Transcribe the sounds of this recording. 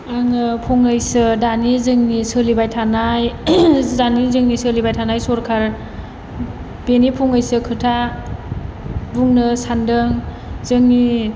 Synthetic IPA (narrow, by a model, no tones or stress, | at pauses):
aŋɯpʰɔŋajsɯdanizɯŋnisɯlibajtʰanajzanizɯŋnisɯlibajtʰanajsɔɾkʰaɾ | b̥enipʰɔŋajsɯkʰɯtʰa | buŋnɯsandɯŋ | zɯŋni